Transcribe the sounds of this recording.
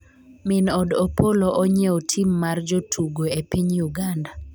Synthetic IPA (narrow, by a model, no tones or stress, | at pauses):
mɪnɔdɔpoloʔɔɲɛotʰimːard͡ʒotʰuɡoepiɲjuɡanda